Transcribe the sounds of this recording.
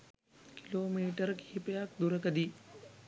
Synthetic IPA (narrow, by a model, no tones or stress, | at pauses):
ki̥loːmiːʈəɾkihipəjak̚d̪uɾəkəd̪i